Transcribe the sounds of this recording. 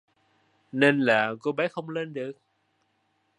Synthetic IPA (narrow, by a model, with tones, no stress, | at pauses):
ne˧nlaː˨˩ko˧ɓa˨˦xə˧wŋ͡mle˧nɗɨ˨˩ək̚